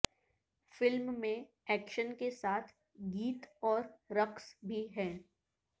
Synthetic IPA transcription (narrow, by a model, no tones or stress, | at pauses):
fɪlmːẽ | ɛːkʃənkesaːt̪ʰ | ɡiːt̪ɔːɾɾɐksbʱiɦɛ̃ː